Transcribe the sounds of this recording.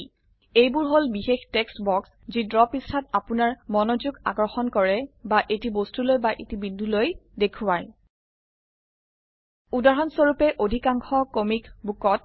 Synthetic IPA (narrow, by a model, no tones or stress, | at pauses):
ejbʊɹɦolbixextekstbɔks | zidɹɔpistʰat̚apʊnaɹmɔnozuɡaɡɹɔxɔnkɔɹɛbaʔetibostulojbaʔetibindʱulojdekʰʊwaj | udaɦɔnsoɹupɛʔodʱikaŋxɔkomikbukɔt̚